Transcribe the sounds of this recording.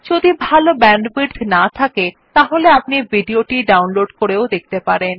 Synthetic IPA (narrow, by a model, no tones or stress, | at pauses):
d͡ʑod̪ibʱalobɛɳɖbiɖnat̪ʰake | t̪aɦoleapnibiɖioʈiɖawnloɖkoɾeod̪ek̚ʰt̪epaɾen